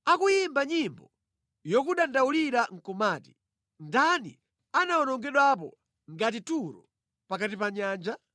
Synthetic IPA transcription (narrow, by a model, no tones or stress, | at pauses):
akujimbaɲimbɔ | jɔkuɗandauliɾaŋ̩kɔmaːti̥ | ndanḭ | anaɔnɔŋɡɛɗwap̬ɔ̰ | ŋɡat̬ituɾɔ̰ | pakatipaɲaːnd͡ʒa